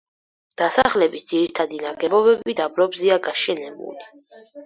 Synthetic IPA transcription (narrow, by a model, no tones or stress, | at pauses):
d̪̥asaχlɛbit̪d̪z̥iɾit̪ʰad̪inaɡɛbɔbɛbid̪abɾɔbziaɡaʃɛnɛbṵli